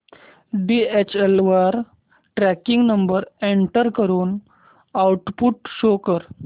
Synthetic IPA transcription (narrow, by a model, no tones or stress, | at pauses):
ɖiet͡ɕelʋaɾ | ʈɾækiŋɡnəmbəɾeɳʈəɾkəɾuːn | awʈpuʈɕokəɾ